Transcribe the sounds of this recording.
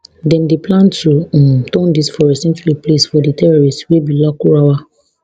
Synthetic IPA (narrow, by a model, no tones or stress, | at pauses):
dɛ̃ndeplãntũtɔ̃ndisfɔɾesɛ̃nt͡ʃuɹiplesfɔditɛɾɔɾistwebilakuɾawa